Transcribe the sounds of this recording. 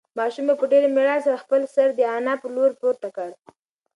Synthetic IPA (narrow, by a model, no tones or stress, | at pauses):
mɑʃumepəɖeɾemeɽɑls̬aɾaxpəlsəɾd̪əɑnapəloɾpoɾt̪akəɽ